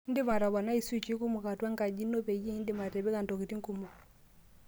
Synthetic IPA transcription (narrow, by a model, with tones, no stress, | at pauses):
n̩˦dɪ˦ma˨ɾa˨βa˨na˦i˨su˦t͡ʃi˦ku˦mu˨ka˨twa˦ŋ˦ka˨d͡ʒi˦nːɔ˦pɛ˨ji˦n˦di˨ma˨tɛ˨βɛ˦ka˨ntɔ˨ki˨ti˦ŋ˦ku˦mu˨